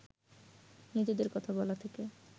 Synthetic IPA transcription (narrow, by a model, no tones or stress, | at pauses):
nit̪id̪eɾkɔt̪ʰabɔlat̪ʰeke